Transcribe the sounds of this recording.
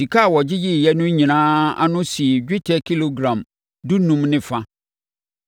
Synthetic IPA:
di˨kʰa˦˨wɔ˨d͡ʑɪ˦jɪ˦˨jɛ˦nʊ̃˦ɲĩ˨nãː˦a̰˦nʊ̃˦si˨d͡ʑᶣɪ˦tʰɛ˦kʰi˦lo˨ɡɾã˨m | du˦nũ˦mnɪ̃˦fã˦

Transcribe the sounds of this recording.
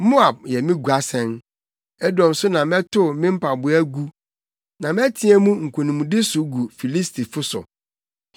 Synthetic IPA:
mo˦a˨b̚jɛ˨mɪ̃˦ɡu˨a˨sɛ̃˦n | ɛ˦dɔ̃˨m˨sʊ˦nã˨mɛ̃˦tʰʊ˦˨mɪ̃˦m̩˦pʰa˨bʊ˦æ˦ɡu˦ | nã˨mɛ˦tʰĩ˦ɛ˦mũ˦ŋ̩˨kʰũ˨nũ˨mũ˨dɪ˦sʊ˨ɡu˨fi˨li˦stʰi˨fʊ˦sʊ̰˨

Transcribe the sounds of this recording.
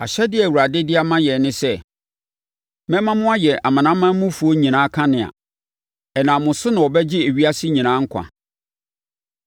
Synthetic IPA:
a˨ɕɛ˦dɪ˦ɛ˨wu˨ɾa˨dɪ˦dɪ˦a˦mã˦jɛ˨nɪ̃˦sɛ˦ | mɛ̃˦mã˦mʊ̃˦a˦jɛ˨ʔa˨mã˨nã˦mːã˦mʊ̃˦fu˨o˦ɲĩ˨nãː˨˦kʰã˦nɪ̃˨a̰˨ | ɛ˨nã˨mʊ̃˨sʊ˦nã˨ɔ˨bɛ˦d͡ʑɪ˦e˨ɥi˦a˦si˦ɲĩ˨nãː˦ŋ̩˦kʷʰã̰˨

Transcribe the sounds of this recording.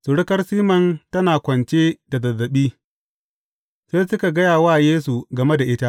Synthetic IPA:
sʊ˨ɽɪ˦kɐ˦rsiː˦mɐ˨ntɐ˦naː˨kʷɐ˨nt͡ʃeː˦da˨zɐ˨zːɐ˨ɓiː˦ | seː˦sʊ˦ka˨ɡɐ˦jaː˨waː˦jeː˦su˨ɡɐ˨me˦da˨ʔɪ˦ta˦ʔ

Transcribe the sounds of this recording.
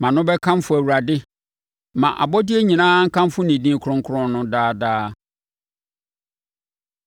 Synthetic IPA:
mã˨nʊ̃˦bɛ˦kʰã˦m˦fʊ˦˨æ˨wu˨ɾa˨dɪ˦ | mã˨ʔa̰˨bɔ˦dɪ˦e˦ɲĩ˨nãː˦ŋ̩˦kʰã˦m˦fʊ˦nĩ˨dĩː˦˨kʰʊ˦ɾʊ̃˦ŋ˦kʰʊ˦ɾʊ̃˦nnʊ̃˦daː˦daː˦

